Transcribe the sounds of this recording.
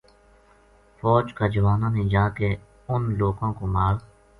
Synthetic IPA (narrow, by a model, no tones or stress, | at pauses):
fɔːd͡ʒkaːd͡ʒəʋaːnãːnẽd͡ʒaːke | ʊnloːɡõːkomaːɾ